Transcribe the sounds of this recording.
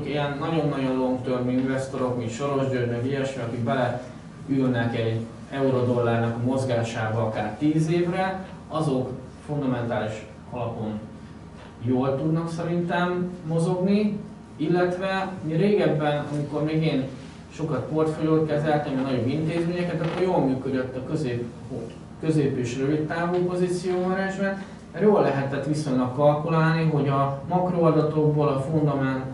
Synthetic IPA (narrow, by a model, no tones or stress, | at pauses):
kijɛnːɒɟo̞nːɒɟollo̞ŋɡt̪ørminvɛst̪o̞ɾo̞kmint̪ʃo̞ɾo̞ʒdøɾmøɡiɛʃeɒkikbɛlɛ | ylnɛkɛɟ | ɛuɾo̞d̪o̞lːaːrnɒkɒmo̞zɡaːʃaːbɒɒkaːrt̪iːzeːvrɛ | ɒzo̞k | fund̪ɒmɛnt̪aːliʃ | ɒlɒpo̞n | joːlt̪ud̪nɒksɛɾint̪ɛmːo̞zo̞ɡni | ilːɛt̪ʋɛmireːɡɛbːɛnɒ̰miko̞rmeːɡeːn | ʃo̞kɒt̪po̞rt̪foljoːt̪kɛzɛlt̪ɛniɒnɒɟo̞bint̪eːzmeːɲɛkɛt̪ɒkːorjoːlmyːkød̪øt̪ːɒkøzeːp | o | kø̞zeːpeːʃrølitt̪ːaːvuːpo̞zit̪sijoːmɛɾɛnʒbɛ | joːllːɛɦɛt̪ɛt̪ʋiso̞ɲlɒkːɒlkulaːlniɦo̞ɟɒmɒkroɒd̪ɒt̪o̞ɡboːlɒfund̪ɒmɛn